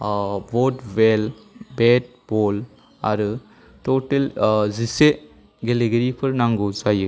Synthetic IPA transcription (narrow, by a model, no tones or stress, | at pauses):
bodwel | bet̚bol | a̰ɾɯ | toʈelzise | ɡeleɡeɾipʰɐɾnaŋɡozajɯ